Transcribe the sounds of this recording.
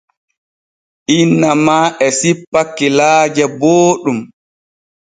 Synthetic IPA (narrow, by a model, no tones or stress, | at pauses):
ʔinːamaːʔɛsipːakːilaːd͡ʒɛboːɗum